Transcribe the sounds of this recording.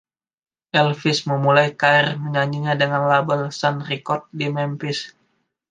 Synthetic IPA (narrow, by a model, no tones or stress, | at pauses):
ʔɛlfɪsməmulajkaɛrməɲaɲiɲadəŋanlabəlsanrikɔt̪̚dimɛmpɪs